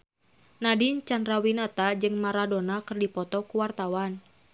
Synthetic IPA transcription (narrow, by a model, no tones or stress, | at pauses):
nadint͡ʃandɾawinat̪ad͡ʒɨŋmaɾadɔnakɨrdipɔt̪ɔkuwart̪awan